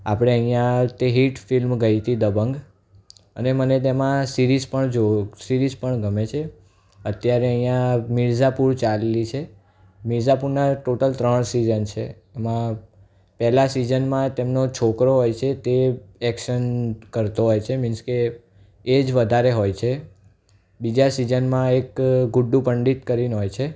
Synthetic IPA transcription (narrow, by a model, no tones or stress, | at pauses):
apɽ̃eəĩjãt̪eɦiʈfilmɡəit̪id̪əbəŋɡ | ənemənet̪̬emãsiɾizpəɳd͡ʒosiɾizpəɳɡəmet͡ʃʰe | ət̪jaɾeəɦijãmiɭd͡ʒapuɾt͡ʃallit͡ʃʰe | miɾd͡ʒapuɾnaʈoʈəlt̪ɾəɳsizənt͡ʃʰḛː | mã | pɛlasid͡ʒənmãt̪emnot͡ʃʰokɾoɦojt͡ʃʰet̪eɛkʃənkəɾt̪oɦojt͡ʃʰemɪnskeː | d͡ʒʋəd̪ʱaɾeɦojt͡ʃʰe | bid͡ʒasid͡ʒənmãekɡuɖːũpəɳɖit̪kəɾinɦojt͡ʃʰe